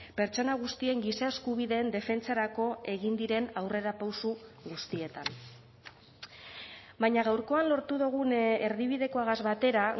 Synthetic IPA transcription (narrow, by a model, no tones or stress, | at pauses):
pe̞ɾt͡ʃo̞naɣ̞ust̪ie̞ŋɡisae̞skuβiðe̞ːnd̪e̞fe̞nt͡saɾako̞e̞ɣind̪iɾe̞nawre̞ɾapawsuɣust̪ie̞t̪an | bajɲaɣawɾko̞anlo̞ɾt̪uðuɣ̞une̞ɾðiβ̞iðe̞ko̞aɣazβat̪e̞ɾa